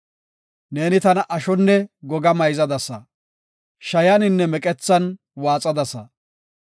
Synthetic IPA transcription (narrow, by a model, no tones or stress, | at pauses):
ne̞ːnɪt̪ɐnɐʔɐʃɔnːɛɡɔɡɐmɐjzɐd̪ɐsɐ | ʃɐjɐnɪnːɛmɛkʼɛt͡sːɐn | waːt͡sʼɐd̪ɐsɐ